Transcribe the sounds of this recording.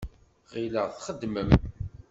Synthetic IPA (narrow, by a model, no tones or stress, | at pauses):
ʁiləʁθχəd̪ːməm